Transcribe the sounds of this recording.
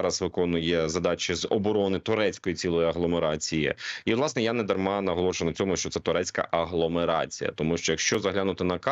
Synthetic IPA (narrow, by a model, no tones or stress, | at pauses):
ɾɐsʋɪkɔnʊjɛzɐd̪ɑt͡ʃʲɪzɔbɔɾɔnɪt̪ʊɾɛt͡sʲkɔjit͡sʲilˠɔjiɐɦlˠɔmeɾɑt͡sʲijɪ̰ilˠɑsnɛjanɛd̪ɐrmɑnɐɦɔlˠɔʃenɐt͡sʲɔmʊʃt͡ʃɔt̪sɛt̪ʊɾɛt͡sʲkɐ̰ʔɐɦlˠɔmeɾɑ̰t͡sʲḭjɐ̰t̪ɔmuʃt͡ʃɔjɐkʃt͡ʃɔzɐɦlʲanʊt̪ɪnɐkɑ